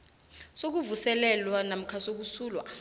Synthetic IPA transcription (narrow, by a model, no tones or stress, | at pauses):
sok̬uvusɛlɛlwanam̩kʰasok̬usuːlwa̰